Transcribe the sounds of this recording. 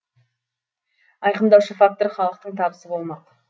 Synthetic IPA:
ɑjqəmd̪ɑwʃəfak̚t̪o̞ɾχɑlˠəq̚t̪əɴt̪ʰɑbəsəbo̞lˠmɑq

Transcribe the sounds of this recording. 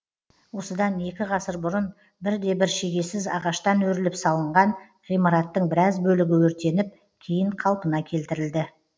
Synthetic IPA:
wo̞səd̪ɑne̞kʲɪʁɑsəɾbʊɾən | bɪɾd̪e̞bɪɾʃe̞ɡʲe̞sɪzɑ̰ʁɑʃt̪ɑnwɵɾɪlɪpsɑlˠəɴʁɑn | ʁijmɑɾɑt̪ːəɴbɪɾɑzbɵlɪɡʲɪwɵɾt̪e̞nɪp̚ | kʲʰejɪɴqʰɑlˠpənɑkʲʰe̞lt̪ɪɾɪld̪ɪ

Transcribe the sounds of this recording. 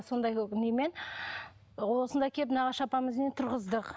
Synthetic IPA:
so̞nd̪ɑjneme̞n | wo̞sənd̪ɑjkʲʰepnɑʁɑʃɑpɑməznet̪ʰʊɾʁəzd̪əq

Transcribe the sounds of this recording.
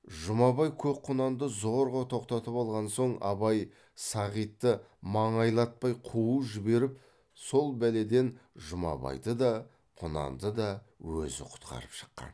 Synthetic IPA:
ʒʊmɑβɑjkʲʰɵp̚qʰʊnɑnd̪əzo̞ɾʁət̪ʰo̞qt̪ɑt̪əpɑlˠʁɑnso̞ɴɑ̰βɑj | sɑʁijt̪ːə | mɑɴɑjlˠɑt̪̚pɑjqʰuuʒɪbe̞ɾɪp | so̞lˠbæle̞d̪e̞nʒʊmɑ̰bɑ̰jd̪əd̪ɑ | qʰʊnɑ̰nd̪əd̪ɑ | wɵ̰zɪ̰qʰʊ̥t̪qʰɑ̰ɾəpʃə̥qːɑ̰n

